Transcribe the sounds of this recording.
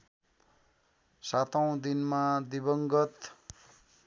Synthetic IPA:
sat̪ʌw̃d̪inmad̪ibʌŋɡʌt̪

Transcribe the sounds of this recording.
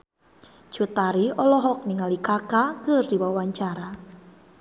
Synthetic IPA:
d͡ʒ̥ṳt̪aɾiɔlɔɦɔk̚niŋalikakakərd̪̥iwawaɲt͡ʃaɾa

